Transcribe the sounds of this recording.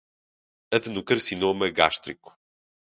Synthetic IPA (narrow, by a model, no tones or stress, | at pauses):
ɐðɨnukɐɾsinomɐɣaʃt̪ɾiku̥